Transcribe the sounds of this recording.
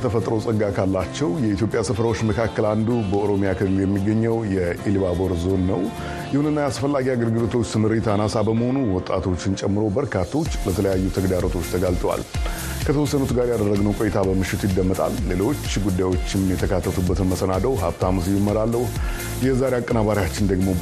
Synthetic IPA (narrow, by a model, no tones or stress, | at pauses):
t̪ʰəfət̪ʼɾowsʼɨɡːakʰalːat͡ʃːɛwjɛit̪jo̞pʼjasɨfɾawot͡ʃːməkʰakːəland̪ubəoɾo̞mijakʰɨlljɛmːiɡːəɲːɛwjɛʔilbabo̞ɾzo̞nːəw | jɪhunɨnːajasfəlːaɡiaɡəlɡɨlot̪ʰo̞t͡ʃːt̪ʰɨmɨɾet̪ʰanasabəməho̞nuwɔt̪ʼːa̰t̪ʰo̞t͡ʃːɪnt͡ʃʼɛmːɨɾo̞bəɾkʰat̪ʰːo̞t͡ʃːlət̪ʰələjajːut̪ʰəɡd̪aɾot̪ʰo̞t͡ʃːt̪ʰəɡalt̪ʼwa̰l | kʰət̪ʰəwɔsːənut̪ɡaɾjad̪ərːəɡnəwkʼojɛt̪ʰabəmɨʃːɪt̪ʰujɪd̪ːəmːət̪ʼa̰lːe̞lo̞t͡ʃːɡud̪ːajwo̞t͡ʃːɪmjɛt̪ʰəkʰat̪ːət̪ʰubːət̪ɨnməsənad̪əwɦabt̪ʰaməsjumːəɾalːəh | jɛzaɾeakʼːənabaɾjat͡ʃːɪnd̪əɡmo̞